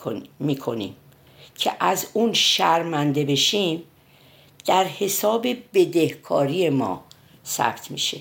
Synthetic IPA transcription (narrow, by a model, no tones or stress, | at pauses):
miːkʰo̞nḭːm | cʰḛʔæzunʃæɾmænd̪e̞be̞ʃim | d̪̥æɾhe̞sɒːbe̞be̞d̪e̞hkʰɒːɾije̞mɒ̰ː | sæ̰b̥t̪ʰmḭʃe̞̰